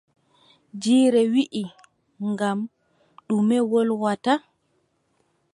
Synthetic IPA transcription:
d͡ʒiːɾɛwiʔi | ŋɡam | ɗumɛwɔlwata

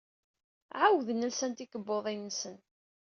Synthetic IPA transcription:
ʕawðənəlsænt̪ikəbːoðˤinəsən

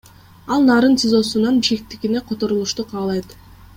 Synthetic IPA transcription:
ɑlˠnɑːɾɯnt̪ʰʲɪzo̞sunɑnbiʃkʲek̚t̪ikine̞qʰo̞t̪o̞ɾulˠuʃt̪uqʰɑːlˠɑjt̪

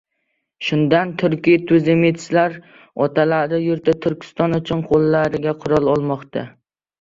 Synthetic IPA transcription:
ʃʊnd̪ant̪ʰʊɾkʲijt̪ʰʊzɪmet̪ʰɪ̥ʃlaɾ | ɒt̪ʰalaɾd̪ɪjʊɾt̪ʰɪt̪ʰʊɾkʲʰɪ̥st̪ɒnʊt͡ʃʰʊnqʰolˠːaɾɪɡʲaqʰʊɾɒlˠɒlˠmɒqt̪ʰa̰

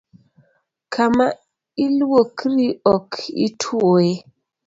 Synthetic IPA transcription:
kʰama | ilwokʰɾiɔkʰḭtʰwoe

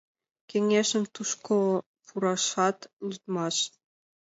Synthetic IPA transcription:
keŋeʃə̆mt̪uʃko | puɾɑʃɑt̪lʲyt̪̚mɑʃ

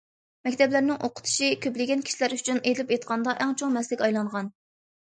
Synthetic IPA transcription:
mɛkʲt̪ʰɛblæɾnɪŋʔoqʰə̥t̪ʰu̥ʃikʲʰøplɪɡʲɛnkʲʰi̥ʃilæɾyt͡ʃʰyned̪lɪpet̪qʰɑnd̪ɑʔɛŋt͡ʃʰoŋmɛslɪkʲɑjlˠɑɴʁɑn

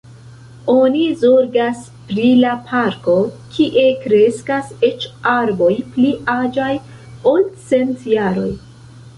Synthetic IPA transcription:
o̞nizo̞ɾɡas | pɾilapʰaɾko̞kʰiʔe̞kɾe̞skase̞t͡ʃaɾbo̞jpliad͡ʒaj | o̞lt͡se̞ntjaɾo̞̰j

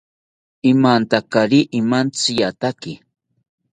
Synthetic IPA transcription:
ɪmant̪akaɾiʔɪmant͡sɪjat̪akɪ

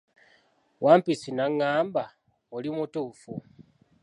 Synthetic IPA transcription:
waːmpisinaŋːaːmba | olimutuːfu

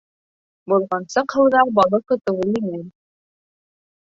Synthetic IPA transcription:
bulˠʁɑnsɤqhɤ̆w̪ˠðɑbɑlˠɤqɤ̆t̪ɤ̆wɤlˠinɘn

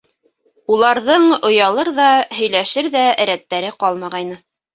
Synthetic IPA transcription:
ulˠɑɾðɤɴŏjɑlˠɤɾðɑhɵ̆jlæʃɘɾðæɾæt̪ːæɾɘqɑlˠmɑʁɑjnɤ

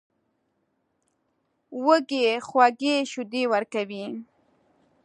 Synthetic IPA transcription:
wəɡexwaɡeʃʊd̪ewəɾkawi

